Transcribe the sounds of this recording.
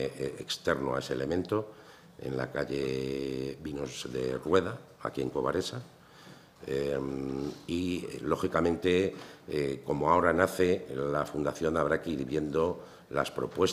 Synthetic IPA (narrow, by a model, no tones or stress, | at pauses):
ekst̪e̞ɾnoa̰e̞sele̞mẽnt̪o̞ | e̞̰nla̰kaʎe̞ | bino̞zðe̞̰rwe̞ða | a̰kie̞ŋko̞βa̰ɾe̞sa | emilo̞xikamẽnt̪e̞ | ko̞moao̞ɾanaθe̞lafund̪aθjo̞naβ̞ɾakeiɾβje̞nd̪o̞ | la̰spɾo̞̰pwe̞s